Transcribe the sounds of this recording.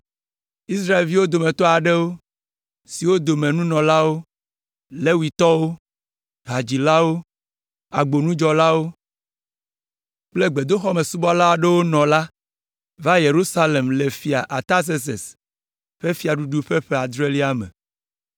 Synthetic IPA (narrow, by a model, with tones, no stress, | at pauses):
i˦sɾa˦e˨lvi˦wo˦d̪o˨mẽ˨t̪ɔ˦a˨ɖe˦wo˦ | si˨wo˦d̪o˨mẽ˨nũ˦nɔ̃˨la˦wo˦ | le˦wi˨t̪ɔ˦wo˦ | ɦa˨d͡ʑi˨la˦wo˦ | a˨ɡ͡bo˨nũ˦d͡ʒɔ˨la˦wo˦ | k͡ple˦ɡ͡be˨d̪o˦xɔ˦me˨su˦bɔ˦la˦a˨ɖe˦wo˦nɔ̃˨la˦ | va˦je˨ɾu˦sa˦le˨mle˨fi˨a˨ʔa˨t̪a˦s̬e˦s̬ḛ˨s | ɸe˦fi˦a˨ɖu˦ɖu˦ɸe˦ɸe˦a˨d̪ɾe˦li˦a˦mḛ˨